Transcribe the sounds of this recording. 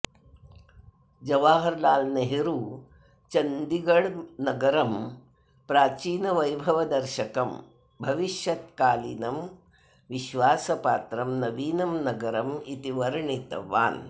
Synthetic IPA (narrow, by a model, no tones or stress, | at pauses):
d͡ʒɐʋaːɦɐɾlaːlnɐɦeɾuː | t͡ʃɐnd̪iɡɐɽnɐɡɐɾɐm | pɾaːt͡ʃiːnɐʋɐjbʱɐʋɐd̪ɐɾʃɐkɐm | bʱɐʋiʃjɐt̪kaːlḭnɐm | ʋiʃʋaːsɐpa̰ːt̪ɾɐmnɐʋiːnɐmnɐɡɐɾɐmit̪iʋɐɾɳit̪ɐ̰ʋa̰ːn